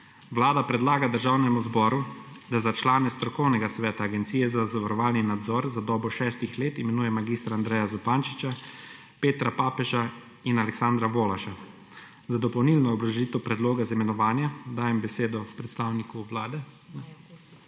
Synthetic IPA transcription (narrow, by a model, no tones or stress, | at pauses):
ʋlaːd̪apɾɛd̪laːɡad̪əɾʒaːwnɛmuzbɔːɾud̪azat͡ʃlaːnɛst̪ɾɔkɔwnɛɡasʋɛːt̪aːɡɛnt̪sijɛzazaʋaɾɔʋaːlninad̪zɔːɾzad̪ɔːbɔʃɛːst̪ixleːt̪imɛnuːjɛmaɡiːst̪ɾaːnd̪ɾɛːjazɔpaːnt͡ʃit͡ʃa | peːt̪ɾapaːpɛʒa | inalɛksand̪ɾaʋoːlaʃa | zad̪ɔpɔwnilnɔːbɾaʒiːt̪ɛwpɾɛd̪loːɡazaimɛnɔʋaːnjad̪aːjɛmbɛseːd̪ɔpɾɛt̪st̪awnikuʋlaːd̪ɛ | n